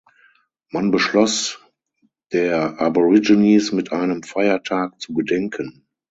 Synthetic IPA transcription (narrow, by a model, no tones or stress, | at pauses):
manbəʃlɔs | d̥eːɐʔaboʁɪd͡ʒinismɪtʔaɪnəmfaɪɐtʰaːk̚t͡suɡədɛŋkʰən